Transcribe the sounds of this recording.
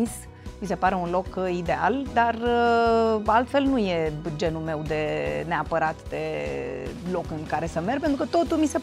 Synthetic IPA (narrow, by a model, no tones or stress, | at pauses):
is | mise̞paɾe̞unlo̞kid̪e̞a̰ld̪arə | alt̪fe̞lnuje̞d͡ʒe̞nulme̞wd̪e̞ne̞apəɾat̪d̪e̞ | lo̞kɨŋkaɾe̞səme̞rpent̪ɾukət̪o̞t̪ulmise̞